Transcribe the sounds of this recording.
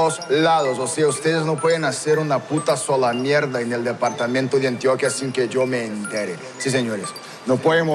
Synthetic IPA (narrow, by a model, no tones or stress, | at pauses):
oslaðososeaust̪eðeznopweðẽnaseɾunaput̪asolamjeɾðaeneld̪epaɾt̪amẽnt̪oðeãnt̪jokjasiŋkeʝomeːnt̪eɾe | sis̬eɲoɾes | nopweðemo